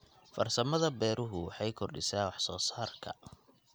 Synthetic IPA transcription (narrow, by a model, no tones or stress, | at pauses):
fɐrsɐmɐðɐbɛːɾʊɦʊwɑħɑjkʰɔrɖɪsaːwɑħsɔːsaːrkʰɐ̰